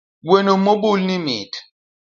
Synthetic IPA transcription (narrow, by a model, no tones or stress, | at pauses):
wenomobulnimḭt